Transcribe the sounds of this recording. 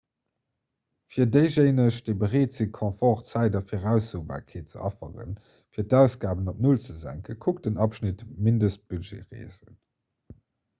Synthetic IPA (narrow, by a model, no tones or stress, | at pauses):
fiːɐdəɪʃəɪnəʃd̥əɪbəʁeːtt͡sikʰɔ̃nfɔʁt͡sæɪdɐfiːəʁæʊsz̥oːba̰ːkʰeːt̚t͡səɑ̰fɐ̰ʁə̰n | fiːɐtæʊsɡ̥aːbənop̚nult͡səzæ̰ŋkəkʰuk̚tdənɑpʃnitmindəst̚b̥ylʒḛːʁḛːzə̰n